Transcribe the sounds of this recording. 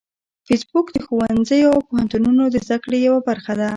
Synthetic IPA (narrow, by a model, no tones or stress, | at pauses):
fɪsbʊkd̪əxowanzəjoawpohant̪ununod̪əzd̪akɽejawabaɾxad̪a